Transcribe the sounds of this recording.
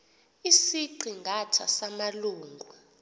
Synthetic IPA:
isiǀiŋɡʱatʰasamaluːŋɡʱwa

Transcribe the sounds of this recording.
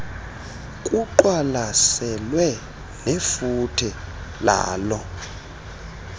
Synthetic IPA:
kʼuǃwalasɛlwɛ | nefutʰila̰ːlɔ

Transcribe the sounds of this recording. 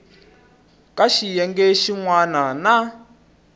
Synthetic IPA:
kaʃijɛŋɡɛʃiŋwanana

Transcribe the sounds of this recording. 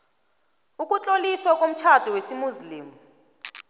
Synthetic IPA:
ukʼut͡ɬʼoliswakʼom̩t͡ʃʰad̥ʱuwesimuzliːmu

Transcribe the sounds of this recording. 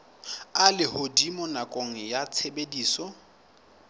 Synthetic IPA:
alɪhodimɔnakʼoŋ̩jat͡sʰebediːsɔ

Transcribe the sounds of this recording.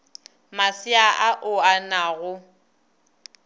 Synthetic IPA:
masɪaʔaʔʊanaɣʊ

